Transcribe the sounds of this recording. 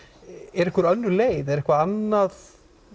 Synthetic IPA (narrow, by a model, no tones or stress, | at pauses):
ɛɾɛhkvʏɾœnːʏɾleːjðɛɾɛhkvaanːað